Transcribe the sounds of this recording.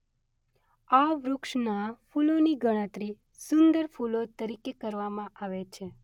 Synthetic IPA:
aʋɾʊkʃnafuloniɡəɽ̃ə̃t̪ɾi | sʊnd̪əɾfulot̪əɾikekəɾʋamãʔaʋet͡ʃʰe

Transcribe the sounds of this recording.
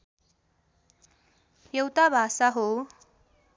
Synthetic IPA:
jʌwt̪abʱasaɦo

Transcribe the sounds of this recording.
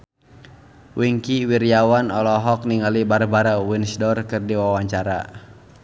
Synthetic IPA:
wiŋkiwiɾiawanɔlɔɦɔk̚niŋalibaɾbaɾawinsdɔrkɨrdiwawaɲt͡ʃaɾa̰

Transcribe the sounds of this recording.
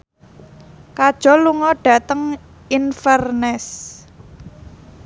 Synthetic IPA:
kad̥ʒ̥ɔ̤luŋɔɖ̥ä̤t̪əŋ | infɛrnɛs

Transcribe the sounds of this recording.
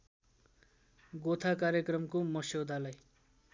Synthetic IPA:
ɡot̪ʰakaɾjekrʌmkomʌsowd̪ʱalaj

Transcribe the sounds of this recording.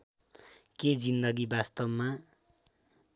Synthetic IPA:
ked͡zind̪ʌɡibast̪ʌbma

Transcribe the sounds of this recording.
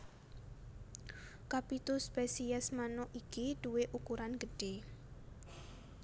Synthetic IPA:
kapit̪uspɛsiɛsmanʊʔikiɖ̥uweʔukuɾanɡ̥əɖ̥e

